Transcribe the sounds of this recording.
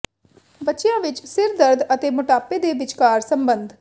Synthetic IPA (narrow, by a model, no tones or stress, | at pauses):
bətːʃjãːʋɪt͡ʃsɪɾd̪əɾd̪ət̪eːmʊʈaːpeːd̪eːbɪt͡ʃkaːɾsəmbə̃nd̪ʱ